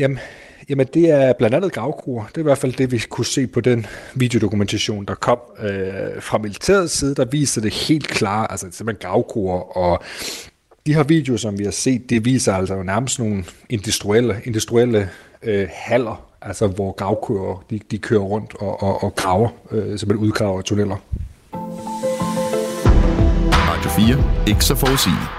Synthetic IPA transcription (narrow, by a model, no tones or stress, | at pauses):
jæ | jæmənd̥e̝æɐb̥lænd̥ænð̩ˠɡ̥ʁɑ̈ʊkʰoɐd̥e̝ɐiʋæɐfæl̰d̥e̝ʋikʰuse̝̰ːpʰɒ̽d̥enʋḭːd̥eo̝d̥o̝kument͡sʰæɕo̝̰ːnd̥ɑ̈kʰɒ̽m̰øfʁɑ̈milit͡sʰe̝̰ːɐð̞̩ˠsiːð̞ˠəd̥ɑ̈ʋḭːsɐd̥e̝he̝̰ːld̥kʰlɑ̰̈ːælsəsem̥henɡ̥ʁɑ̈ʊkʰoɐʔɒ̽ | d̥ihe̝ɐʋḭːd̥ejo̝sɒ̽mʋihɑ̈se̝̰ːd̥̚ːiʋḭːsɐæl̰sɒjonæɐməsd̥no̝ːn̩e̝nd̥usd̥ʁuel̰əe̝nd̥usd̥ʁuel̰ə | hæl̰ɐ | ʔælsɒʋɒɡ̥ʁɑ̈ʊkʰøɐd̥id̥ikʰøːɐʁɔ̽n̰d̥ɒʔɒːɡ̥ʁɑ̈ʊɐøsɒmæduðˠɡ̥ʁɑ̈ʊɐt͡sʰonel̰ɐ | mɑ̈dʰo̝fiːɐe̝ɡ̥əsɒfɒːsḭːli